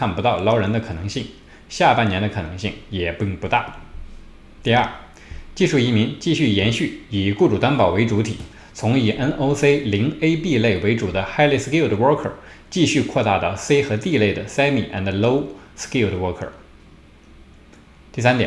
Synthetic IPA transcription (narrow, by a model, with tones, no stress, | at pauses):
kʰa˥˩npu˧˥t̪ɑ˥˩ʊlɑ˥ʊɻə˧˥nd̪ə˧kʰɤ˨˩nɤ˧˥ŋɕi˥˩ŋ | ɕja˥˧pa˥˩njɛ˧˥nd̪ə˧kʰɤ˨˩nɤ˧˥ŋɕi˥˩ŋjɛ˨˩pi˥˧ŋpu˧˥t̪a˥˩ | t̪i˥˧ɐ˥˩ | t͡ɕi˥˧ʂu˥˩i˧˥mi˧˥ŋt͡ɕi˥˧ɕy˥˩jɛ˧˥nɕy˥˩i˨˩ku˥˩ʈ͡ʂu˨˩t̪a˥npɑ˨˩ʊwe˧˥ɪʈ͡ʂu˧˥t̪ʰḭ˨˩˦ | t͡sʰʊ˧˥ŋi˨˩ʔə˥nʔo˥ʊse˥ɪli˧˥ŋe˥ɪpi˥˧le˥˩ɪwe˧˥ɪʈ͡ʂu˨˩d̪ə˦xa˥ɪle˥˧ɪski˥˩ʊd̪ə˩wɔ˥kʰə̰˞˨˩t͡ɕi˥˧ɕy˥˧kʰwɔ˥˧t̪a̰˥˧t̪ɑ˥˩ʊse˥ɪxɤ˧˥t̪i˥˧le˥˩ɪd̪ə˩sa˥ɪmḭ˨˩ʔɛ̰˧˩nd̪ə˩lo˥ʊski˥˩ld̪ə˩wɔ˥kʰə̰˞˨˩ | t̪i˥˩sa˥nt̪jɛ̰˨˩